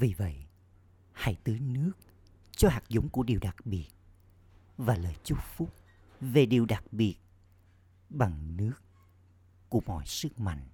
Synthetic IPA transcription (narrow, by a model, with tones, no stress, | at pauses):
vi˨˩və̰˧˨j | ha̰˧˩jt̪ɨ˨˦nɨ˦˥ək̚ | t͡ɕɔ˧haː˨˩k̚zʊ̰˧˦ŋ͡mku˧˩əɗi˨˩wɗa˨˩k̚ɓi˨˩ət̚ | vaː˨˩ləː˨˩jt͡ɕu˦˥p̚fu˦˥p̚ | ve˨˩ɗi˨˩wɗa˨˩k̚ɓi˨˩ət̚ | ɓa˨˩ŋnɨ˦˥ək | ku˧˩əmɔ̰˧˨jsɨ˦˥k̚ma̰˧˨jŋ̟